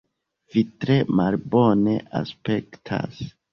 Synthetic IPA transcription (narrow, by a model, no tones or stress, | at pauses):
vitɾe̞malbo̞ne̞ʔa̰spe̞ktʰa̰s